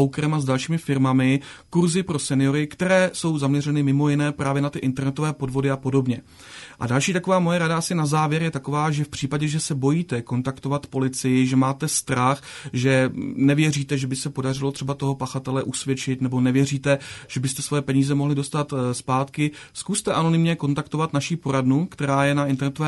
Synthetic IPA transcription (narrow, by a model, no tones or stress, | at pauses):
wkɾɛmazdalʃiːmɪfɪɾmamɪ | kuɾzɪpɾo̞sɛnɪjo̞ɾɪkt̪ɛɾɛːso̞wzamɲɛrɛnɪmɪmo̞jɪnɛːpɾaːvjɛnat̪ɪʔɪnt̪ɛɾnɛt̪o̞vɛːpo̞dvo̞dɪapo̞do̞bɲɛ | ʔa̰dalʃiːt̪ako̞vaːmo̞jɛɾadaasɪnazaːvjɛɾjɛt̪ako̞vaːʒɛfpr̝̥iːpaɟɛʒɛsɛbo̞jiːt̪ɛko̞nt̪akt̪o̞vat̪po̞lɪt͡sɪjɪʒɛmaːt̪ɛst̪ɾaxʒɛnɛvjɛriːt̪ɛʒɛbɪsɛpo̞dar̝ɪlot̪r̥ɛbat̪o̞ɦo̞paxat̪ɛlɛʔusvjɛt͡ʃɪt̪nɛbonɛvjɛriːt̪ɛʒ̥ɛbɪst̪ɛsvo̞jɛpɛɲiːzɛmo̞ɦlɪdo̞st̪at̪spaːt̪kɪ | skust̪ɛʔano̞nɪmɲɛko̞nt̪akt̪o̞vat̪naʃipo̞ɾadnukt̪ɛɾaːjɛnaʔɪnt̪ɛɾnɛt̪ovɛː